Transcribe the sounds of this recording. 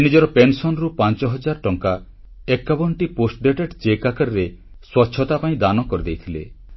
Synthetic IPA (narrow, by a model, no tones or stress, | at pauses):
nid͡ʒɔɾɔpensɔnɔɾupant͡ʃɔɦɔd͡ʒaɾʈɔŋka | ekːabɔnʈiposʈɖeʈeʈt͡ʃekakaɾɾe | swɔtːʃʰɔt̪apaĩd̪anɔkɔɾid̪ejt̪ʰilḛ